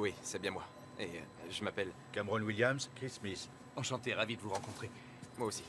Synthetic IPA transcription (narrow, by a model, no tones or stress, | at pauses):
wisɛbjɛ̃mwa | eʒəmapɛl | kamʁɔnwiljamskχismis | ɑ̃ʃɑ̃t̪eʁavid̪əvuʁɑ̃kɔ̃t̪χe | mwaosi̥